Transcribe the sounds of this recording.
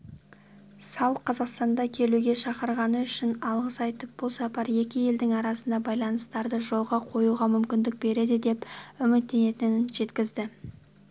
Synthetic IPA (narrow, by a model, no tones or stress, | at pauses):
sɑlˠqʰɑzɑqst̪ɑnd̪ɑkʲʰe̞luɡʲe̞ʃɑqəɾʁɑnəʏʃɪnɑlˠʁəsɑjt̪əp̚b̥ʊlˠsɑpɑɾje̞kʲɪje̞ld̪ɪŋɑɾɑsənd̪ɑbɑjlˠɑnəst̪ɑɾd̪əʒo̞lˠʁɑqʰo̞juʁɑmʏmkʲɪnd̪ɪk̚be̞ɾe̞d̪ɪd̪e̞pʏmɪt̪̚ːe̞ne̞t̪ɪnɪnʒe̞t̪kʲɪzd̪ɪ